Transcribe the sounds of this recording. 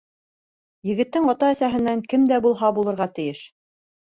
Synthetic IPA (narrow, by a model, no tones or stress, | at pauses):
jɘ̆ɡɘ̆t̪ːɘŋɑt̪ɑæsæɦɘ̆nːæŋkɘmd̪æbulˠɦɑbulˠɤ̆ɾʁɑt̪ɘ̆jɘʃ